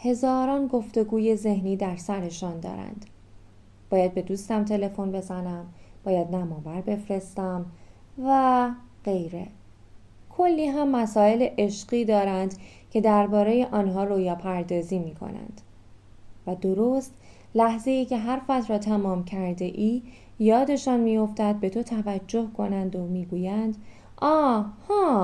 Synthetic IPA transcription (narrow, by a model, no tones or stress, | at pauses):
he̞zɒːɾɒːnɡo̞ft̪o̞ɡuːje̞ze̞hniːd̪æɾsæɾe̞ʃɒːnd̪ɒ̰ːɾæ̰nd̪̥ | b̥ɒːjæd̪̚be̞d̪uːst̪æmt̪ʰe̞le̞fo̞nbe̞zænæmb̥ɒːjæd̪næmɒːvæɾbe̞fɾe̞st̪æm | væɢe̞jɾe̞ | kʰo̞lːiːɦæmːæsɒːe̞leʔeʃɢiːd̪ɒːɾænd̪ | cʰe̞d̪æɾbɒːɾe̞jeʔɒːnɦɒːɾoːjɒːpʰæɾd̪ɒːziːmiːkʰo̰næ̰nd̪̥ | væd̪o̞ɾost̪ | læhze̞iːcʰe̞ɦæɾfæt̪ʰɾɒːt̪ʰæmɒːmcʰæɾd̪e̞ʔiː | jɒːd̪e̞ʃɒːnmijo̞ft̪æd̪̚be̞t̪ʰo̞t̪ʰævæd͡ʒːo̞hkʰo̞nænd̪omiːɡuːjænd̪ | ʔɒːhɒː